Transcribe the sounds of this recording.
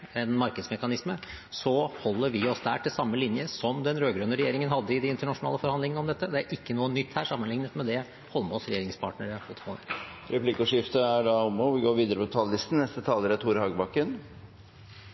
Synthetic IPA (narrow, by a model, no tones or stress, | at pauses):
ɛnmɑɾkəd̪smɛkɑnɪsmə | sɔhɔlːəɾʋɪɔsd̪æ̰ːʈʰɪlsɑmːəlɪnjəsɔmd̪ɛnɾøːɡɾœnəɾɛjeːɾɪŋənhɑd̪ːəɪd̪ɛɪnt̪əɳɑʂʊnɑ̰ːləfɔɾhɑnd̪lɪŋənɔmd̪ɛt̪ːəd̪ɛæɾʔɪkːənuːənʏt̪ːhæːʂɑmːənlɪŋnət̪mɛd̪ɛ | hɔlːmɔsɾɛjeːɾɪŋspʰɑːʈɳəɾəfɔt̪ːfʰo̰ːə̰ɾɛpʰlɪkuʂɪft̪əæɖɑɔmɔʋɪɡoːɾʋiːd̪əɾəpʰɔt̪ʰɑːləlɪst̪n̩nɛst̪ət̪ʰɑːləɾət̪ʰuːɾhɑːɡbɑkːən